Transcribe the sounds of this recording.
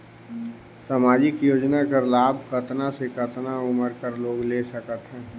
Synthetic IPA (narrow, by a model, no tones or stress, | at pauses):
samaːd͡ʒɪkjoːd͡ʒnakəɾlaːbʱkət̪nasekət̪naʊməɾkəɾloːɡleːsəkət̪ɦɛ̃ː